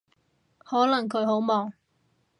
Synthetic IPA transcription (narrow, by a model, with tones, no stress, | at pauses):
hɔː˨˥lɐ˨˩ŋkʰɵ˨˧˥ɥɦo˨˥wmɔː˨˩ŋ